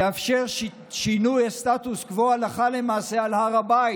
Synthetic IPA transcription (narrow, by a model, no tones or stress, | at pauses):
eafʃe̞ʁ | ʃinujast̪at̪uskvoalaχale̞maːse̞alhaʁabai